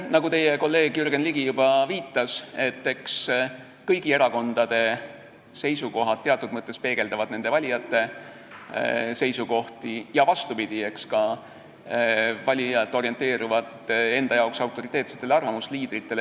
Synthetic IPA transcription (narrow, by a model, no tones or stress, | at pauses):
nɑɡut̪e̞jeko̞lːe̞ːɡ̥jyɾɡe̞nliɡijub̥ɑviːt̪ːˑɑse̞t̪ːe̞ks | kɤjɡ̥ie̞ɾɑko̞nd̪̥ɑd̪̥e̞ | se̞jsuko̞ɦɑd̪̥̚t̪ːeɑt̪ːud̪̥mɤt̪ˑːe̞spe̞ːɡ̥e̞ld̪ɑvɑd̪̥ne̞nd̪evɑlʲijɑt̪ːˑe̞ | se̞jsuko̞ht̪ijɑvɑst̪upid̪̥ie̞kskɑ | vɑlʲijɑt̪ˑːo̞ɾie̞nt̪e̞ːɾuvɑt̪e̞nd̪̥ɑjɑoksɑwt̪ːˑo̞ɾit̪e̞ːt̪se̞t̪ːe̞leɑrvɑmusliːd̪̥ɾit̪ːˑe̞le